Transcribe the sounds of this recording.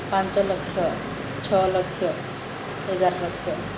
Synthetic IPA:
pant͡ɕɔlokʰːjɔ | t͡ɕʰɔlokʰːɔ | eɡaɾɔlɔkʰːɔ

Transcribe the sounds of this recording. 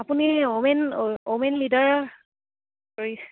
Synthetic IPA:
apuniomɛnomɛnlidɔɹ | koɹis

